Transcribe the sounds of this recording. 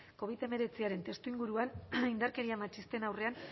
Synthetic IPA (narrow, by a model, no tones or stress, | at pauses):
ko̞β̞it̪e̞me̞ɾe̞t͡siaɾe̞nt̪e̞st̪uiŋɡuɾuanind̪aɾke̞ɾiamat͡ʃist̪e̞nawre̞an